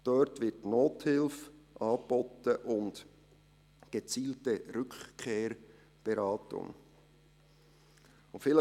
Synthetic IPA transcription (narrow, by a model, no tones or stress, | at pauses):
d̥œɾtʋɪtnoːthɪlfʔɑːb̥ɔt̪əʔʊnd | ɡ̥ət͡siːltəɾʏkkʰeːɾ | b̥eɾɑːtʊ̰ŋ | ʊfɪlə